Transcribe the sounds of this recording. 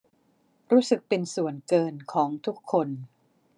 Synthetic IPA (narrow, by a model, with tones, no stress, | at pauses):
ɾuː˦˥sɯ˨˩k̚pe˧nsu˨˩ənkɤː˧nkʰɔː˩˦ŋt̪ʰu˦˥kʰːo˧n